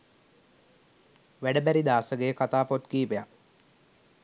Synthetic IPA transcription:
ʋæɖəbæɾid̪aːsəɡejəkat̪aːpot̪kiːpeja

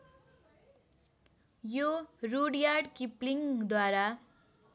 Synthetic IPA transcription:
joruɽjarɖkipliŋd̪waɾa

